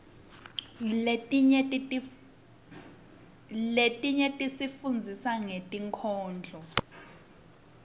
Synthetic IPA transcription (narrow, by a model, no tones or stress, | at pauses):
letʼiɲɛtʼisifund͡zʱisaŋetʼiŋkʰɔːnd͡ɮʱɔ